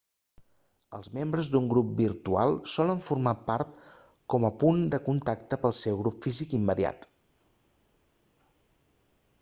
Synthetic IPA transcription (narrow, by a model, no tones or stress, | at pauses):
ə̰lˠzmembɾəzd̪uŋɡɾup̚birt̪ua̰lˠsɔləɱfurmapaɾt̪ | kɔməpund̪əkunt̪ak̚t̪əpəlˠsɛwɣɾupfizikimːəðia̰t̪